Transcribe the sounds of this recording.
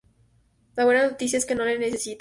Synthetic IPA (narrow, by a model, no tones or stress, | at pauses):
laβwe̞nano̞t̪is̬jae̞ske̞no̞lene̞sesit̪